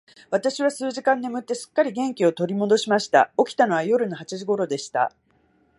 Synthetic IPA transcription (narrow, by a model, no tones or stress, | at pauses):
β̞at̪aɕiβ̞asɨːʑikãnːe̞mɯ̟t̪ːe̞sɨ̥kːaɾʲiɡẽ̞ŋkʲio̞t̪o̞ɾʲimo̞d̪o̞ɕimaɕi̥t̪a̰o̞kʲi̥t̪ano̞βajo̞ɾɯ̟no̞hat͡ɕiʑiɡo̞ɾo̞d̪e̞ɕi̥t̪a̰